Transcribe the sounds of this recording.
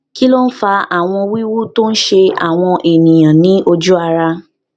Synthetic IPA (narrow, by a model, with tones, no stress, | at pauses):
ki˦lo˦n̩˦fa˧a˨w̃ɔ̃˧wi˦wu˦to˦n̩˦ʃe˧a̰˨w̃ɔ̃˧ʔe˨nĩ˨j̃ã˨nĩ˨˦o˧d͡ʒu˦a˧ɾa˧